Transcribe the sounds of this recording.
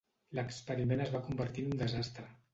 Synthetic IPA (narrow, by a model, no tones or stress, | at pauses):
ləkspəɾimenəzβakumbəɾt̪inund̪əzast̪ɾə